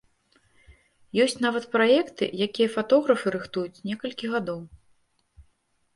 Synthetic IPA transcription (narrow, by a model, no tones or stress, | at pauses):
jɔsʲt͡sʲnavɐt̪pɾajɛkt̪ɨ̰jakʲijɐfat̪ɔɣɾɐfɨɾɨxt̪ujut͡sʲnʲɛkɐlʲkʲiɣad̪ɔw